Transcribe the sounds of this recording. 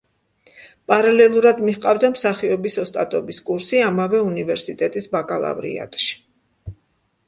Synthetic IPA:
pʼaɾalɛlˠuɾad̪miχqʼavd̪amsaχiɔbisɔst̪ʼat̪ʼɔbiskʼuɾsiamavɛunivɛɾsit̪ʼɛt̪ʼisbakʼalˠa̰vɾḭa̰t̪ʼʃi̥

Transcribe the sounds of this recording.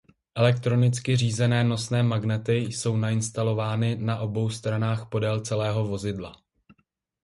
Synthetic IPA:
ʔɛlɛk̚t̪ɾo̞nɪt͡skɪr̝iːzɛnɛːno̞snɛːmaɡnɛt̪ɪjso̞wnaɪnst̪alo̞vaːnɪnaʔo̞bo̞wst̪ɾanaːxpo̞dɛlt͡sɛlɛːɦo̞vo̞zɪdla̰

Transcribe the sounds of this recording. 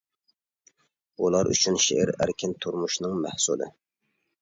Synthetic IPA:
ulˠɑɾʔy̰t͡ʃʰynʃeʔɪ̰ɾæ̰ɾkʲʰɪnt̪ʰuɾmuʃnɨŋmæhsṵlˠɨ̰

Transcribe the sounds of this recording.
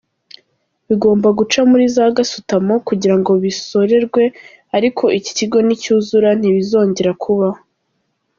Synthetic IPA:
βiɡo̞ːmbaɡut͡ʃamuɾizaɡasutamo̞kuɟiɾaŋɡo̞βiso̞ɾe̞ɾɡwe̞ | aɾikʰo̞ʔici̥ciɡo̞nicuːzuɾan̥iβizo̞ːɲɟe̞ɾakʰuβa

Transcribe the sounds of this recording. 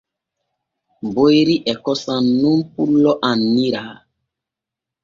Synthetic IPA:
bojɾiʔɛkɔsanːumpulːɔʔanːiɾaː

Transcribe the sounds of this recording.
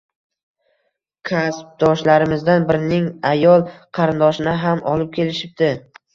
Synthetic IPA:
kʲʰasp̚d̪̥ɒʃlaɾɪmɪzd̪anbɪɾɪnɪŋajɒlˠqʰɑɾɪnd̪ɒʃɪnɪɦamʔɒlˠɪp̚kʲʰe̞lɪʃɪp̚d̪ɪ

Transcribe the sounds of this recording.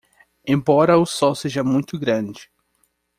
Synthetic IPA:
ẽbɔɾɐʊsɔwseʒɐmũj̃t̪ʊɡɾɐ̃d͡ʒɪ

